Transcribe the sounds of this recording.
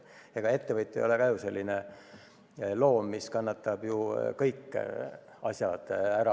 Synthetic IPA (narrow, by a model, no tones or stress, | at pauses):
eɡ̥ɑe̞t̪ːe̞vɤjt̪ːˑejo̞lekɑjuse̞lʲːine | lo̞ːmːiskɑnːɑt̪ːˑɑb̥jukɤjkːˑ | ɑsjɑd̪̥æɾɑ